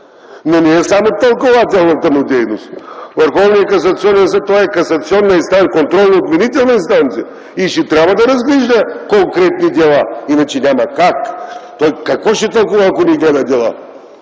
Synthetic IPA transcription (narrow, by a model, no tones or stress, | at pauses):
noniɛsamot̪ɐlˠkovat̪ʲɛlˠnɐt̪əmʊd̪ɛjnost̪vɐɾxɔvnijəkɐs̬ɐt̪siɔnɛnsət̪ɔɛkɐsɐt̪siɔnːɐinst̪ankont̪ɾɔlˠnɐot̪mɛnit̪ɛlˠnɐinst̪ant̪sijɐ | iʃɛt̪ɾʲabvɐd̪ɐɾɐzɡlɛʒd̪ɐkoŋkɾɛt̪nid̪ɛlˠainɐt͡ʃɛnʲamɐkakt̪ɔjkɐkvɔʃɛt̪ɐlˠkuvɐɐkonɛiɡlɛd̪ɐd̪ɛlˠa̰